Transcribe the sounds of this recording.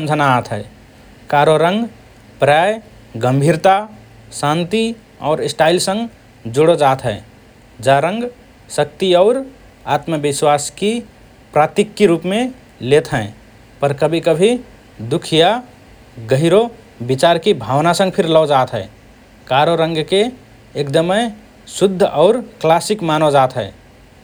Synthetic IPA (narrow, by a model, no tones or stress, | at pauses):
nd͡ʒʱənaat̪ɦɛː | kaːɾoɾə̃ŋɡ | pɾaːj | ɡəmbʱiːɾt̪a | sãːnt̪i | ɔ̰ːɾɪsʈaːɪlsə̃ŋɡ | d͡ʒʊɽod͡ʒaːt̪ɦɛː | d͡ʒaɾə̃ŋɡ | sək̚t̪iɔːɾ | at̪məbɪswaski | pɾaːt̪ɪkːiɾuːpmẽ | let̪ɦɛ̃ | pəɾkəbʱikəbʱi | d̪ukʰija | ɡəɦiɾo | bit͡ʃaɾkibʱawnasə̃ŋɡpʰɪɾlɔːd͡ʒaːt̪ɦɛe | kaɾoɾə̃ŋɡkeː | kd̪əmɛ | sʊd̪ʱːɔʊɾklasikmanod͡ʒaːt̪ɦɛː